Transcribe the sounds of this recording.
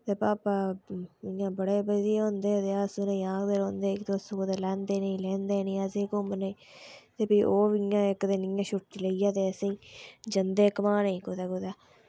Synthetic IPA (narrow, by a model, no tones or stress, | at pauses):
t̪eːpaːpaːɪjãːbəɽeːbəd̪iːõːnd̪eːt̪eːəsnẽaːkd̪eːɾõːnd̪eːkt̪eʊskod̪eːlɛ̃ːnd̪eːneĩlɛ̃ːnd̪eːnĩːəsĩːkomənẽː | t̪eːpiːʔoːʋijãːɪkd̪eːnɪjãːʃʊʈt͡ʃiləijaːt̪eːəsĩːd͡ʒənd̪eːkəmãːnəĩːkoːd̪eːkod̪aː